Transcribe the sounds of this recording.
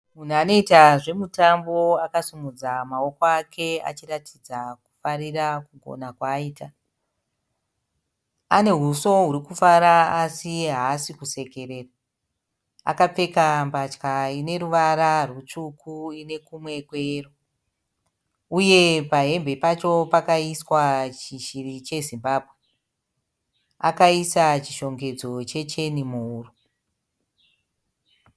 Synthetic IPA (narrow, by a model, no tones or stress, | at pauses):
mun̤uano̞itaʐe̞mutambo̞akasumud͡zamao̞koakʰe̞a̰t͡ʃiratʰid͡zaku̥farirakuɡʱo̰nakwaiːta | ane̞ɦuso̞ɦuɾikufaɾaːsiɦaːsikuse̞ke̞re̞ra | a̰kap͡fe̞kambat͡ʃkaine̞ɾuʋaɾarut͡ʃukʰuine̞kumwe̞kwero | uje̞paɦe̞mbʱe̞pat͡ʃo̞pakaiswat͡ʃiʃirit͡ʃe̞zimbaːbʱwe̞ | a̰kaisat͡ʃiʃo̞ŋɡe̞d͡zo̞t͡ʃe̞t͡ʃe̞nimuɦuːru